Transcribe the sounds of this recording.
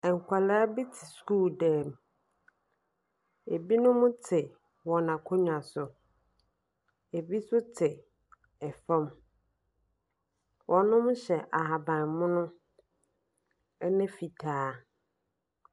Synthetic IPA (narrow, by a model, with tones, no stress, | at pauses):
ɛ̃˨ŋ̩˨kʷʰa˨la˦a˦bi˦tʰɪ̥˨skuː˦˨dɛː˦˨m | e˨bi˦nʊ̃˦mʊ̃˦tʰɪ˨ | wɔ˨nã˨kʰo˦ɲᶣ˨a˨sʊ˨ | e˨bi˦sʊ˦tʰɪ˨ | ɛ˨fɔ̃˦m | wʔɔ̃˨nʊ̃˦mʊ̃˦ɕɛ˨ʔa˨ɦa˨bã˨nmʊ̃˦nʊ̃˦ | ɛ˦nɪ̃˦fi˨tʰaː˨˦